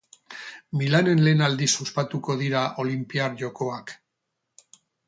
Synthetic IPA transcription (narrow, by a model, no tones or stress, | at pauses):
milane̞nle̞ːnald̪isuspat̪uko̞ðiɾaʔo̞limpiaɾʝo̞ko̞ak